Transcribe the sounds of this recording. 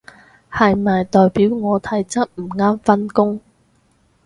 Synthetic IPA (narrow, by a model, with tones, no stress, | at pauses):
hɐ˨jmɐː˨jt̪ɔː˨jpiː˨˥wŋɔː˨˧t̪ʰɐ˨˥jt͡sɐ˥t̚m̩˨˩ŋaː˥mfɐ˥nkʊ˥ŋ